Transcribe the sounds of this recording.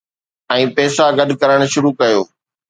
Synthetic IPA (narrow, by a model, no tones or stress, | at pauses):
ɛ̃ːpɛːsaɡɐɗkɐɾəɽ̃ʃʊɾukɐjoː